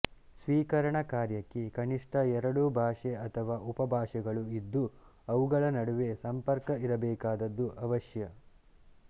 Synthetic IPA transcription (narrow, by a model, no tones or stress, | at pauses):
sʋiːkɐɾɐɳɐkaːɾjɐkːekɐniʂʈʰɐɛɾɐɽubʱaːʂeɐt̪ʰɐʋaːʔupɐbʱaːʂɛɡɐɭuid̪ːu | ɐʋuɡɐɭɐnɐɽuʋe̞sɐmpɐɾkɐiɾɐbɛːkaːd̪ɐd̪ːuʔɐʋɐʃjɐ